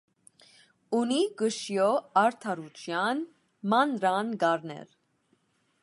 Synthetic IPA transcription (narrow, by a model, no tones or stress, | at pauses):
uniɡəʃjɔɑɾt̪ʰɑɾut͡ʃʰjɑn | mɑnɾɑnɡɑɾnɛ̰ɾ